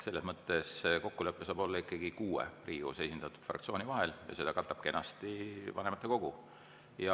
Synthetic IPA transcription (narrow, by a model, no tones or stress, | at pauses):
se̞lːe̞smɤt̪ːˑe̞sko̞kːule̞pːesɑːbo̞lːɑikːˑɑɡ̥ikuːḛrʔiːṵsejsind̪ɑt̪ːˑu̥d̪̥frʔɑ̰kt̪sio̞ːnivɑɦeljɑ̰se̞d̪̥ɑkɑlt̪ːɑb̥̚ke̞nːɑst̪ivɑne̞mɑt̪ːˑe̞ko̞ɡ̥u | jɑ